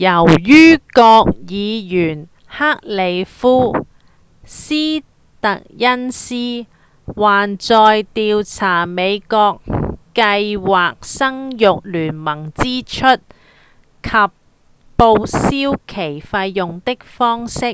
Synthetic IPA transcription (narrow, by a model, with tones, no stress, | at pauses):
jɐ˨˩wjyː˥kɔː˧k̚jiː˨˧jyː˨˩n | haː˥k̚le˨˧jfuː˥ | siː˥ | t̪ɐ˨k̚jɐ˥nsiː˥ | waː˨nt͡sɔː˧jt̪iː˧wt͡sʰaː˨˩me˨˧jkɔː˧kkɐ˧jwaː˨k̚sɐ˥ŋjʊ˨k̚lyː˨˩nmɐ˨˩ŋt͡siː˥t͡ʃʰɵ˥t̚ | kʰɐ˨pː | o˧wsiː˥wkʰe˨˩jfɐ˧jːʊ˨ŋt̪ɪ˥k̚fɔː˥ŋsɪ˥k̚